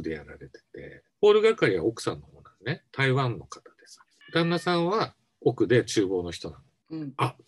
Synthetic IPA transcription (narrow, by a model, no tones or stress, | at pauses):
ɯd̪e̞jaɾa̰ɾet̪e̞̥t̪e̞̰ | po̞ːɾɯ̟ɡakaɾʲiβ̞a̰okɯ̥sã̰nːo̞ho̞ːnasɨne̞t̪aiβãnːo̞kḁt̪ḁd̪̥e̞s | d̪̥ãnːasãɰ̃βa | o̞kɯ̟d̪e̞t͡ɕɨːbo̞ːno̞çʲi̥t̪o̞nãn | a